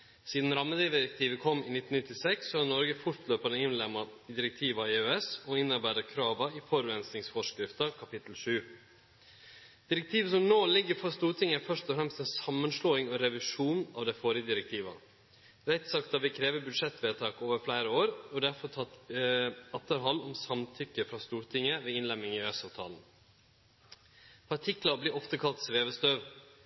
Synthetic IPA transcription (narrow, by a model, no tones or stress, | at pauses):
siːd̪n̩ɾɑmːəd̪ɪd̪ɪɾɛk̚t̪ʰiːʋəkʰɔmːɪnɪt̪ːn̩ɪt̪ːɪsɛksːɔhɑnɔɾɡəfʊʈ̪løːpɑnəɪnlɛmːɑd̪ɪɾɛk̚t̪ʰiːʋɑɪøɛsɔɪnːəɾbæːɾəkʰɾɑːʋɑɪfɔɾʉɛnsnɪŋsfɔʂkɾɪft̪ɑkʰɑpɪt̪l̩ʂʉː | d̪̥ɪɾɛk̚t̪ʰiːʋəsɔmnoːlɪɡːəɾfɔst̪uːɾʈ̪ʰɪŋːæfœʂt̪ɔfɾɛmst̪ɛnsɑmːənʂloːɪŋɔɾɛʋɪʂuːnɑ̰ʋd̪ɛfɔːɾɪəd̪ɪɾɛk̚t̪ʰiːʋɑ̰ | ɾɛt̪sɑkt̪ɑʋɪkʰɾeːʋəbʉd̪ʂɛt̪ːʋeːt̪ʰɑːkoːʋəɾflæɪɾəoːɾɔd̪æɾfɔt̪ʰɑt̪ | ɑt̪ːəɾɦɑlːɔmsɑmt̪ʰʏkːəfɾɑːst̪uːɾʈʰɪŋəʋeːɪnlɛmːɪŋɪœsɑʋt̪ʰɑ̰ːln̩ | pʰɑʈʰɪklɑbliːʔɔft̪əkʰɑlt̪sʋeːʋəst̪øːʋ